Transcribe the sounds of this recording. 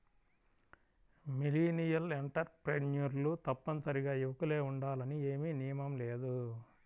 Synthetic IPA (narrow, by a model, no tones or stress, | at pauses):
miliːnijɐleɳʈɐɾpɾenjuɾlut̪ɐpːɐnsɐɾiɡaːiʋɐkule̞ːuɳɖaːlɐnie̞ːmiːnijɐmɐmleːd̪u